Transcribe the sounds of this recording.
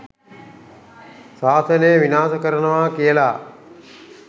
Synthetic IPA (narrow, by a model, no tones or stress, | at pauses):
saːsɐnəjəʋinaːsəkəɾənəʋaːkijəlaː